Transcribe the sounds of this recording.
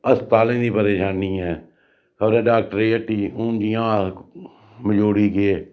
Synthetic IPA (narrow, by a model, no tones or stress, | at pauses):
əst̪aːlẽːd̪iːpəɾeːʃaːniːɛː | kəbɾɛːɖaːk̚ʈəɾeːəʈːiːũːnd͡ʒiːãː | məd͡ʒoːɽiːɡeeː